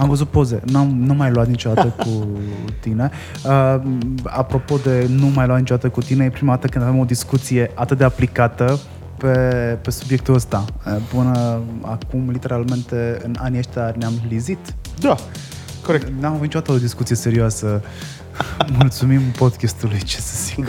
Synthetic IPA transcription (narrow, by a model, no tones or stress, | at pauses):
amvəzut̪̚po̞ze̞̰namnumːajluat̪nit͡ʃo̞d̪at̪əkut̪ine̞ | ə | a̰pɾo̞po̞d̪e̞numajluat̪nit͡ʃod̪at̪əkut̪ine̞epɾimad̪at̪əkɨnd̪avemo̞d̪iskut̪sije̞ʔat̪ɨt̪̚d̪e̞aplikat̪ə | pe̞pe̞subjek̚t̪uləst̪aəpɨnəa̰kumlit̪e̞ɾalme̞nt̪e̞ɨnanieʃt̪earʲneamlizit̪d̪a | koɾekneamvnit͡ʃod̪at̪əod̪iskut̪sijese̞ɾioasə | mult̪sumimpo̞d̪kʲest̪ulujt͡ʃe̥sə̥z̥ik